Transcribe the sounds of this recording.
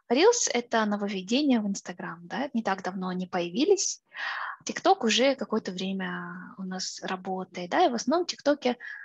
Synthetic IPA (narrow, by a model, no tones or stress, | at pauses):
ɾʲilˠsɛt̪ənəvəvʲɪdʲenʲɪjəvɨnst̪ɐɡɾamd̪anʲɪt̪aɡd̪ɐvno̞ɐnʲipəjɪvʲilʲɪsʲ | tʲɪkt̪o̞kʊʐɛkɐko̞jət̪əvɾʲemʲəʊnasrʔɐbo̞t̪əjɪt̪̚d̪aivəsnɐvno̞mtʲɪkt̪okʲɪ